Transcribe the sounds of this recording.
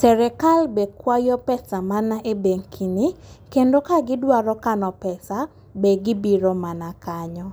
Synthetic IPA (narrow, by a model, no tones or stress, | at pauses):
sɛɾɛkalbekwajɔpɛsamanaʔebeŋkʰinikendokaɡɪdwaɾɔkanɔpɛsa | beɡɪbiɾɔmanakaɲɔ